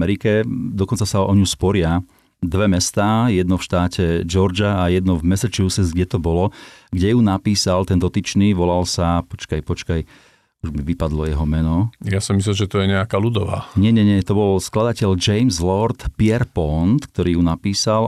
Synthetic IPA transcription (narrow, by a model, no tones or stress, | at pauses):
mɛɾikɛd̪ɔkɔnt͡sasaɔ̰ɲuspɔɾɪa | d̪ʋɛmɛst̪aːjɛd̪nɔfʃt̪aːcɛd͡ʒɔɾd͡ʒaːjɛd̪nɔvmɛsat͡ʃusɛzɡɟɛt̪ɔbɔlɔɡɟɛjunapiːsalt̪ɛnd̪ɔt̪it͡ʃniʋɔlalsapɔt͡ʃkajpɔt͡ʃkaj | uʒmiʋipad̪lɔjɛɦɔmɛnɔjasɔmislɛmʒɛt̪ɔjɛɲɛakalud̪ɔʋa̰ɲɛɲɛɲɛt̪ɔbɔlsklad̪acɛʎd͡ʒɛjmzlɔɾt̪pɪɛɾpɔnt̪k̚t̪ɔɾiːjunapiːsal